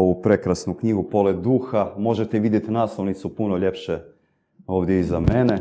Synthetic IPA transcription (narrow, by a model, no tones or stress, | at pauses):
oʋupɾe̞kɾasnukɲiɡupo̞led̪d̪uːxamo̞ʒet̪eʋid̪je̞t̪inaːslˠoʋnit̪supuno̞ʎe̞pʃe | o̞ːʋd̪jeizame̞ne